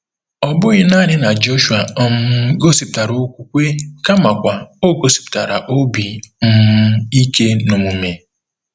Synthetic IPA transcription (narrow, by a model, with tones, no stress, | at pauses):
ɔ˨bʊ˦ɣɪ˦na˦ɾɪ˦na˨d͡ʒo˦ʃu˨a˨˦m̩˦ɡo˦si˨p̚ta˨ɾo˦kʷu˦kʷe˦ka˦ma˨kʷa˨o˦ɡo˨si̥˨p̚ta˨ɾa˨ʔo˦bi˨m̩˦m̩˦i˦ke˦no˨mu˨me˨